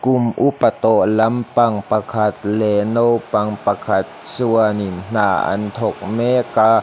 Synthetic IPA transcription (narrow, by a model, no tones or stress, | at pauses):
kumʔupat̪ɔʔlampaŋpakʰat̪̚lɛnowpaŋpakʰat̪̚suəninn̥aːʔa̰nt̪ʰɔk̚mɛka